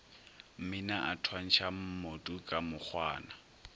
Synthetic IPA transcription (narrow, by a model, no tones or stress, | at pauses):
m̩mɪnaʔatʰwan̩ʃʰam̩motʼukʼamʊk͡xʰwaːna